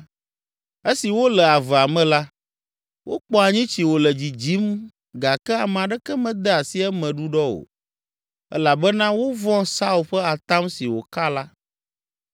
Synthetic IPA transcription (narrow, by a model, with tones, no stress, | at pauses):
e˦si˨wo˦lɛ˨a˨vɛ˨a˨mɛ̃˨la˦ | wʔo˦k͡pɔ˦a˨ɲĩ˦t͡ɕi˨wo˨lɛ˨d͡ʑi˨d͡ʑi˨˦m | ɡa˨kɛ˦a˨m˨a˨ɖɛ˦kɛ˦mɛ̃˨d̪ɛ˦a˨si˦ɛ˦mɛ̃˨ɖu˦ɖɔ˦o̰˨ | ɛ̰˦la˨bɛ˦nã˦wo˦vɔ̃˦sa˦u˨lɸɛ˦a˨t̪a˦msi˨wo˨ka˦la˦